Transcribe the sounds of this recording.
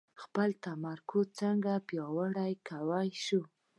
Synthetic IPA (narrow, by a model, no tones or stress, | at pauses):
xpəlt̪amaɾkʊt͡səŋɡapjɑwaɽajkʰawajʃu